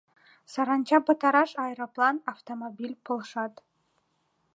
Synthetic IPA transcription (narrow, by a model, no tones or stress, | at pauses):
sɑɾɑnt͡ɕɑbɑt̪ɑɾɑʃɑjɾoplˠɑnɑft̪omobʲilʲpŏlˠʂɑt̪